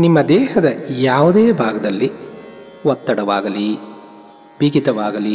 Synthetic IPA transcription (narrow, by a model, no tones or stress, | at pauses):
nimːɐd̪ɛːhɐd̪ɐjaːʋud̪eːbʱaːɡɐd̪ɐlːi | ʋɔt̪ːɐɽɐʋaːɡɐli | bʱiːɡit̪ɐʋaːɡɐli